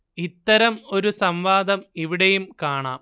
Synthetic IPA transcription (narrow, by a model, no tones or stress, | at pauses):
it̪ːɐɾɐmo̞ɾusɐmʋaːd̪ɐmiʋiɽejumkaːɳa̰ːm